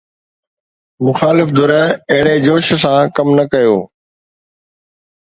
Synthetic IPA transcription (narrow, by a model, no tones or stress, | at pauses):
mʊxaːlɪfd̪ʊɾəɐɦɪɽed͡ʑoːʃsãkɐmnɐkɐjoː